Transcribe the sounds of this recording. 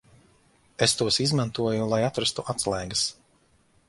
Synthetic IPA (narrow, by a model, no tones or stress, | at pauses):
est̪uɔsizmant̪uɔjulˠajat̪ɾast̪uʔat̪slˠɛjɡɐs